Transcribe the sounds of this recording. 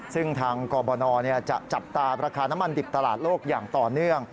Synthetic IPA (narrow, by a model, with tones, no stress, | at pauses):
sɯ˥˩ŋt̪ʰaː˧ŋkɔː˧bɔː˧nɔː˧ni˥˩ɐt͡ɕa˨˩ʔt͡ɕa˨˩p̚t̪aː˧ɾaː˧kʰaː˧na˦˥ma˧ndi˨˩p̚t̪a˧laː˨˩t̪̚loː˥˩k̚jaː˨˩ŋt̪ɔː˨˩nɯ˥˩əŋ